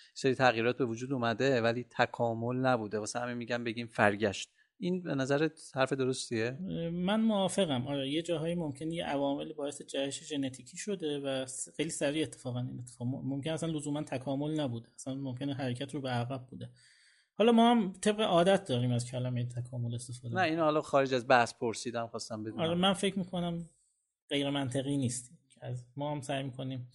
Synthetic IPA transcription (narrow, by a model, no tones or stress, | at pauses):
jeseɾiːt̪ʰæɣjiːɾɒːt̪̚be̞vod͡ʒuːd̪umæd̪evæliːt̪ʰækʰɒːmolnæbuːd̪evɒːsehæmemiːɟæmbeɟiːmfæɾɟæʃt̪̚ | ʔinbenæzæɾehæɾfed̪oɾost̪iemænmoɒːfe̞ɣæmʔɒːɾejed͡ʒɒːɦɒːiːmomcʰe̞nejḛʔævɒːme̞libɒːe̞sed͡ʒæheʃeʒe̞net̪ʰiːcʰiːʃo̞d̪e̞væsxejliːsæɾiːet̪ʰːefɒːɣænḭnet̪ʰːe̥fɒːmomkʰʲenæsænlozuːmænt̪ʰækʰɒːmo̞lnæbuːd̪eæsænmomcʰʲe̞neɦæɾecʰæt̪ɾobeæɣæb̚buːd̪e̞ | hɒːlɒːmɒːhæmt̪ʰe̞b̚ɣeʔɒːd̪æt̪̚d̪ɒːɾiːmæzcʲʰælæmejet̪ʰækʰɒːmo̞lest̪e̞fɒːd̪næiːnhɒːlɒxɒːɾed͡ʒæzbæhspʰoɾsiːd̪æmxɒːst̪æmbedɒːɾɾemænfe̞cʰmiːkʰo̞næm | ɢ̥e̞jɾemænt̪ʰe̞ɣiːniːst̪ːʰ | æzmɒːhæmsæjmiːkʰo̞niːm